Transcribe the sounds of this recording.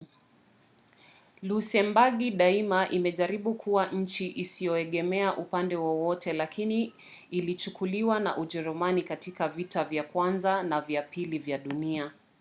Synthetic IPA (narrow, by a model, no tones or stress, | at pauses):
lusɛmbaɠiɗaimaʔimɛʄaɾiɓukʰuwaɲ̩t͡ʃiʔisijɔɛɠɛmɛaʔupandɛwɔwɔtɛlakiniː | lit͡ʃukuliwana̰ʔuʄɛɾɔmanikatikavitavjakwanzanavjapilivjaɗunia